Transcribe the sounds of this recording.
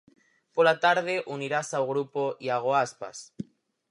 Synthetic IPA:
polat̪aɾð̞eʔuniɾasawɣɾupoʔiaɣ̞oaspa̰s

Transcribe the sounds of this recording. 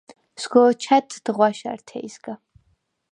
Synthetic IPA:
sɡɔt͡ʃʰat̪ʰd̪̥ʁwaʃa̰ɾt̪ʰɛ̰isɡa

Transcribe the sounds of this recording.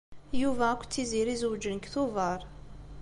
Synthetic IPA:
juvæækʷːt͡sːiziɾizəwd͡ʒənkθʊvəɾˤ

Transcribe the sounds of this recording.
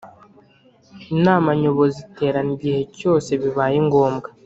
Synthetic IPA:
inaːmaɲo̞βo̞zite̞ːɾaniɟihe̞co̞ːse̞βiβaːjeŋɡo̞ːmɡa

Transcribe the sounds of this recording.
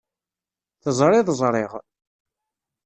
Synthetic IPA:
θəzˤɾˤɪðˤəzˤɾˤeʁ

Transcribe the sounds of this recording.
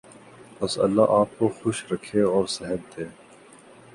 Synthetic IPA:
pɐsɐ̰lːaʔaːp̚koxʊʃɾɐkʰeɔːɾsɛɦəb̚d̪eː

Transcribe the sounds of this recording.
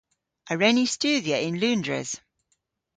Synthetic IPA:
ʔəɹɛnist͡ʃʉːdiəɪ̃nlʉ̃ːndɹə̰z̥

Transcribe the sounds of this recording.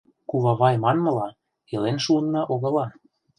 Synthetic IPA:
kuβɑβɑjmɑnmɤ̆lɑ | elenʃuɤnːɑʔoɣɤ̆lɑ

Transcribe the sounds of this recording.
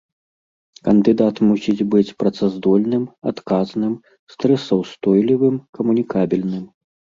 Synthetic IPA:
kɐnd̪ɨd̪at̪musʲid͡zʲbɨt͡sʲpɾɐt̪sazd̪ɔlʲnɨmat̪kaznɨm | st̪ɾɛsɐwst̪ɔjlʲivɨmkɐmunʲikabʲilʲnɨm

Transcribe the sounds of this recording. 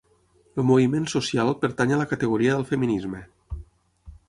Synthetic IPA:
əlˠmuβimensusialˠpəɾt̪aɲələkət̪əɣ̞uɾiəðəlˠfəminizmə

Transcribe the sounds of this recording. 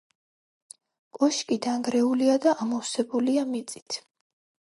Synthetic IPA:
kʼɔʃkʼid̪aŋɡɾɛuliad̪aʔamɔwsɛbuliamit̪sʼi̥t̪ʰ

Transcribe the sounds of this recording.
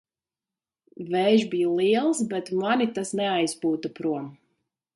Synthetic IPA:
vɛːʒbijulˠiɛlˠsbɛt̪manit̪asnɛajspuːt̪apɾuɔm

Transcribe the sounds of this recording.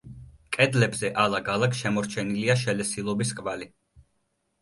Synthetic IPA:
kʼɛd̪lɛbzɛʔalˠaɡalˠakʃɛmɔɾt͡ʃʰɛniliaʃɛlɛsilˠɔbiskʼvali

